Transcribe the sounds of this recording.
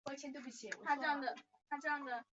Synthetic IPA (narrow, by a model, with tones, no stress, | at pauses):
ə˧˥t͡ɕʰjɛ˧˥nt̪wpu˥˩ɕʰi˧˥˦w̰tʰa˥ʈ͡ʂɤ˥˧jɑ˥˩ŋd̪ə˩ | t̪ʰa˥ʈ͡ʂɤ˥˧jɑ˥˩ŋd̪ə˩